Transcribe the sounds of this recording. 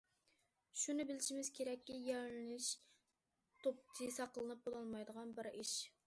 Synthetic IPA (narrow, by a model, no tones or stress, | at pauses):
ʃunɨbɪlɪʃimɪz̥kʲʰeɾɛkʲːijɛɾlɪnɪʃ | t̪ʰop̚t̪ʰɨsɑqəlˠɨnɨp̚bolˠɑlˠmɑjd̪əʁɑnbɪɾiʃ